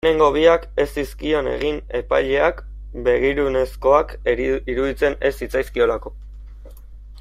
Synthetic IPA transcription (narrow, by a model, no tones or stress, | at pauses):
ne̞ŋɡo̞β̞iake̞siskio̞ne̞̰ɣ̞ine̞pa̰jʎe̞ak | be̞ɣ̞iɾune̞sko̞akiɾuðit͡se̞ne̞sit͡sajskio̞lako̞